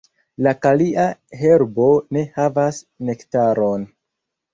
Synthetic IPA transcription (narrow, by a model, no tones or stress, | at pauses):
lakaliʔaɦe̞ɾbo̞ne̞havas | ne̞ktaɾo̞n